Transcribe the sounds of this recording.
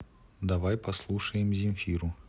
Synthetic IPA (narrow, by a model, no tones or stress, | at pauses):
d̪avajpɐslˠuʂəjɪmzʲɪmʲfʲiɾʊ